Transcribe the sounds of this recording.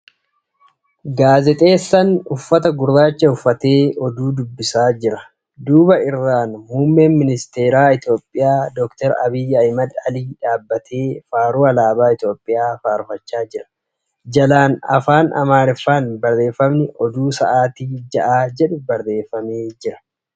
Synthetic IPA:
ɡaːzɛt̪ʼe̞ːsːɐnʊfːɐt̪ɐɡʊɾːaːt͡ʃːɐʊfːɐt̪e̞ːɔd̪uːd̪ʊbːɪsaːd͡ʒɪɾɐ | d̪uːbɐɪrːaːnmuːmːeːnmɪnɪst̪e̞ːɾaːɪt̪jo̞ːpʼːɪjaːd̪ɔkt̪ɛɾɐ̰bɪjːɐjmɐd̪ɐliːᶑaːbːɐt̪ʰeːfaːɾuːɐlaːbaːɪt̪jo̞ːpʼːɪjaːfaːɾʊfɐt͡ʃːaːd͡ʒɪɾɐ̥ | d͡ʒɐlaːnɐ̰faːnɐ̰maːɾɪfaːnbɐɾe̞ːfːɐmnɪʔɔd̪uːsɐ̰ʔaːt̪iːd͡ʒɐʔaːd͡ʒɛᶑʊbɐɾde̞ːfːɐmeːd͡ʒɪɾɐ̥

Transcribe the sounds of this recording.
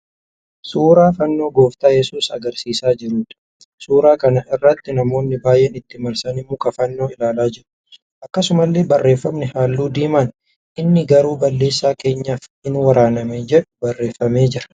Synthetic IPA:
suːɾaːfɐnːo̞ːɡo̞ːft̪aːjɛsuːsɐ̰ɡɐɾsiːsaːd͡ʒɪɾuːᶑ̪ɐ̥ | suːɾaːkɐnɐʔɪrːɐt̪ːɪnɐmo̞ːnːɪbaːjʔɛnɪt̪ːɪmɐɾsɐnɪmːuːkɐfɐnːo̞ːɪlaːlaːd͡ʒɪɾʊ̥ | ʔɐkːɐsʊmɐlːe̞ːbɐrːe̞ːfːɐmnɛhaːlːuːd̪iːmɐn | ʔɪnːɪɡɐɾuːbɐlːe̞ːsːaːke̞ːɲːaːfɪnwɐɾaːnɐmeːd͡ʒɛᶑʊ̥bɐrːe̞ːfːɐmeːd͡ʒɪɾɐ̥

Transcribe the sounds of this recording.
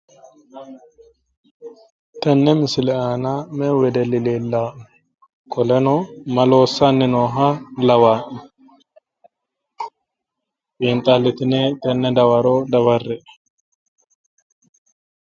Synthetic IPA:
t̪ɛnːɛmɪsɪlɛaːnamɛwɛd̪ɛlɪleːlːaʔɛ | kʼɔlɛnɔmɐlo̞ːsːanːɪnoːɦalɐwaːʔɛ | pʼiːnt̪ʼalːɪt̪ɪnet̪ʼɛnːɛd̪ɐwɐɾod̪ɐβɐrːɛʔ

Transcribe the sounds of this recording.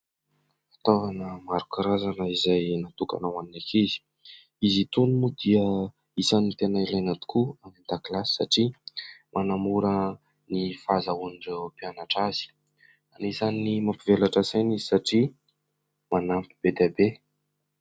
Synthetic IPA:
at̪ovanəmaɾukaɾazanəizajnat̪uka̰nawaninakizi̥ | izit̪unimud̪iə | isanit̪enailajnat̪u̥kuanand̪aklasi̥sa̰ʈ͡ʂimʔanamuɾə | nifazauniɳɖ͡ʐewpianaʈ͡ʂaz̥i̥ | anezaninimampivelaʈ͡ʂasanizi̥saʈ͡ʂi | manampib̥ed̪abe

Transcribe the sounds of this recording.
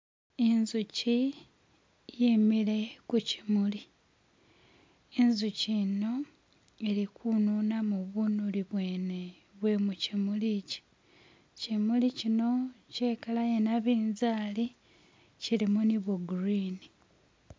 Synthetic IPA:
enzuci | jimile̞kuci̥muli | enzucino̞ | e̞ɾikʰununamuβunuliβwe̞ːne̞ | βwe̞mucimulici̥ | cimulicino̞ce̞ːkalajenaβiːnzaːli | cilimuniβuɡuɾini

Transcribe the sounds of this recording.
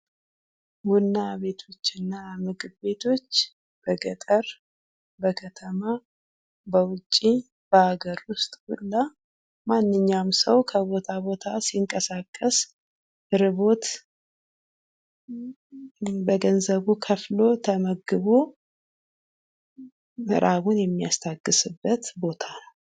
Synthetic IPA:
wunːaβe̞t̪ʰo̞t͡ʃːɨnːamɨɡɨbbe̞t̪ʰo̞t͡ʃː | b̥əɡət̪ʼəɾ | bəkʰət̪ʰəma | bəwʊt͡ʃʼːi | b̥əhaɡəɾwʊst̪ʼwulːa | manːɨɲːamsəwkʰəβo̞t̪ʰaβo̞t̪ʰasiŋkʼəsakʼːəs | ɨɾɨβo̞t̪ | bəɡənzəβukʰəflo̞t̪ʰəməɡɨβo | mɨɾʔaβunjɛmːijast̪ʰaɡːɨsɨbːət̪bo̞t̪ʰanəw

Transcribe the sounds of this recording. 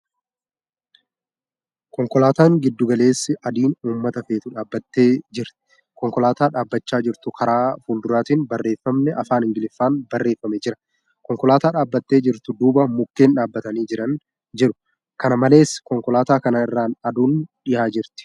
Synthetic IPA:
kɔŋkɔlaːt̪aːŋɡɪd̪ːʊɡɐle̞ːsːɪʔɐd̪iːnuːmːɐt̪ɐfe̞ːt̪ʊᶑaːbːɐt̪ːe̞ːd͡ʒɪɾt̪ɪ̥ | kɔŋkɔlaːt̪aːᶑaːbːɐt͡ʃːaːd͡ʒɪɾt̪ʊkʰɐɾaːfuːld̪ʊɾaːt̪iːnbɐrːe̞ːfːɐmnɛʔɐfaːnhɪŋɡɪlɪfːaːnbɐrːe̞ːfːɐmed͡ʒɪɾɐ̥ | kɔŋkɔlaːt̪aːᶑaːbːɐt̪ːe̞ːd͡ʒɪɾt̪ʊd̪uːbɐmʊkːe̞ːnᶑaːbːɐt̪ɐniːd͡ʒɪɾɐn | d͡ʒɛᶑʊ̥ | kɐnɐmɐle̞ːskɔŋkɔlaːt̪aːkɐnaɪrːaːnɐd̪uːnᶑɪjaːd͡ʒɪɾt̪ɪ̥

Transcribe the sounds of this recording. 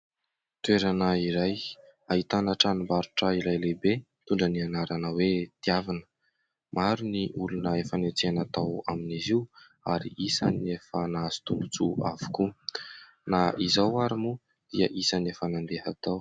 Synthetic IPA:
t̪ueɾanaiɾajait̪anaʈ͡ʂanimbaɾu̥ʈ͡ʂəilajlebe | t̪uɳɖ͡ʐənianaɾanəwet̪iavinə̥ | maɾuniʔulunəefanet͡seanat̪awaminiziw | aɾḭʔisanefanazi̥t̪umut͡sua̰vu̥ku | naizawaɾimu | d̪̥iəʔisanefanand̪eɦat̪aw

